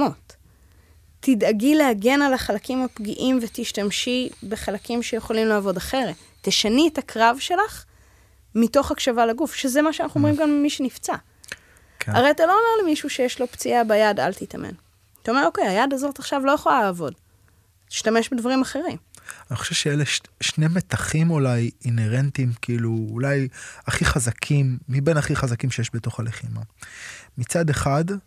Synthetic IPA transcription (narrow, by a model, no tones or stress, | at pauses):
motː | idaɡilehaɡe̞nalaχalakimhapɡiʔimvet̪iʃtamʃibe̞χalakimʃejeχo̞limleːvo̞daχe̞ʁe | t̪eʃanietakʰʁavʃe̞laχ | mito̞χakʃavalaɡufʃezemaʃeanaχuomʁimkanmiʃenift͡sa | kʰa̰ʁe̞jat̪alo̞ːmeʁlimiʃuʃejeʃlo̞pt͡siabajada̰lt̪it̪a̰mʔḛn | tao̞me̞ʁo̞kejajadazot̪aχʃavlo̞jaχolalaːvo̞d | iʃtame̞ʃbedvaʁimaχe̞ʁim | aniχo̥ʃevʃeeleʃʃnemet̪aχimolajineʁentimkʰiiluːlajaχiχazakʰimːibenaχiχazakimʃejeʃbeto̞χaleχima | mit͡sadeχad